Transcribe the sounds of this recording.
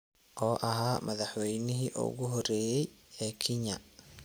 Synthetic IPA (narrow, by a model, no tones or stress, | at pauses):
ʔɔːʔɐɦaːmɐðɐħwɛjnɪɦiʔɔ̰ːɣʊɦɔrɛːjɛjɛːkʰɪɲɐ̰